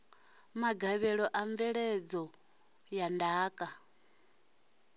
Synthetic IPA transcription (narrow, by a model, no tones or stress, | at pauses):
maɡaβɛɺɔʔaɱvɛɺɛd͡zɔ | jandaːkʼa